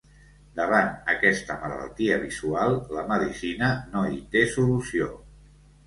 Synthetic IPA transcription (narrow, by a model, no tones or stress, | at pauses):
d̪əβ̞anəkɛst̪əmələ̰lˠt̪iəβizualˠləməðisinənoit̪esulusio